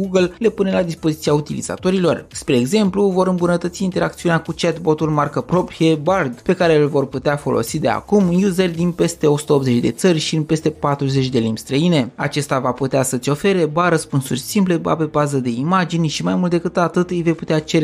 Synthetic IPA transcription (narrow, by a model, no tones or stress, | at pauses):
ɡuɡəlle̞punelad̪ispo̞zit̪siaut̪ilḭz̥a̰t̪o̞ɾilo̞rspɾe̞ːɡze̞mpluvo̞ɾɨmbunət̪ət̪siːnt̪e̞ɾʔak̚t̪siuneakut͡ʃet̪bo̞t̪ulmarkəpɾo̞pɾije̞bard̪pe̞kaɾe̞lvo̞rput̪eafo̞̰lo̞̰sid̪e̞a̰kumjuzerʲd̪inpe̞st̪e̞o̞su̥t̪əopze̞t͡ʃʲd̪e̞t̪sərʲʃiɨnpe̞st̪e̞pat̪ɾuze̞t͡ʃʲd̪e̞limbʲst̪ɾəine̞a̰t͡ʃe̞st̪avaput̪easət̪sʲo̞fe̞ɾe̞baɾəspunsurʲsimple̞ba̰pe̞bazəd̪e̞imad͡ʒinʲʃimajmult̪d̪e̞kɨt̪at̪ɨt̪ɨjve̞jput̪eat͡ʃe̞ɾe